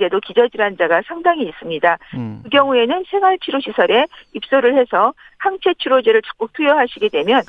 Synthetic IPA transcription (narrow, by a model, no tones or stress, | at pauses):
ɡe̞dokid͡ʑʌd͡ʑiɾɦand͡ʑaɡasʰaŋdaŋiːs͈ɯmɲidakɯɡjʌŋue̞nɯnsʰe̞ŋaɭt͡ɕʰiɾoɕʰisʰʌɾe̞ip̚s͈oɾɯɭhe̞sʰʌ | haŋt͡ɕʰe̞t͡ɕʰiɾod͡ʑeɾɯɭt͡ɕʌ̥k̚k͈uk̚tʰujoɦaɕʰiɡe̞dwe̞mjʌn